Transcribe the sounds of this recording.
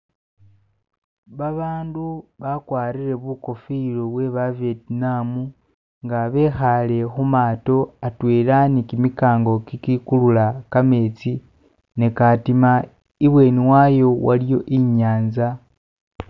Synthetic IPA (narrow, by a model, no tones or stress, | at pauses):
βaβaːnduβakwaːɾiɾe̞βuko̞filoβwe̞βavjetnamu | ŋɡaβexale̞xumaːto̞atweːlanikimikaːŋɡo̞kikikululakame̞t͡si | nekatima | iβwe̞ːniwajo̞wa̰ljo̞ʔiɲaːnza